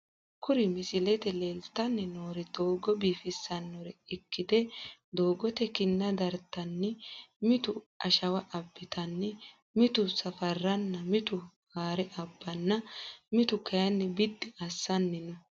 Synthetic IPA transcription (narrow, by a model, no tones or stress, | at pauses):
kʊɾɪmɪsɪlɛt̪ɛleːlt̪ɐnːɛnoːɾɛd̪̥o̞ːɡɔbiːfɪsːɐnːɔɾɛɪkːɪd̪ɛd̪oːɡɔt̪ɛkɪnːɐd̪ɐɾt̪ːɐnːɛmɪt̪ʊʔɐʃɐwɐʔɐbːɪt̪ɐnːɛ | mɪt̪ʊsɐfɐrːɐnːɐmɪt̪ʊ | haːɾɛʔɐbːɐnːɐmɪt̪ʊkɐjɐnːɛbɪd̪ːɪɐsːɐnːɛnɔ